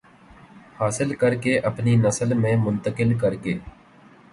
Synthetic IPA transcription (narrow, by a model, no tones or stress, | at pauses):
haːsɪlkəɾkeːʔəpniːnəsəlmẽːmʊnt̪əkɪlkəɾkeː